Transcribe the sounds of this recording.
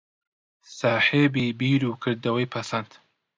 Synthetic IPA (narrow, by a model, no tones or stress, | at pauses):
saːħeːbiːbiːɾuːkʰɨɾd̪ɐwɐjpʰɐsɐnt̪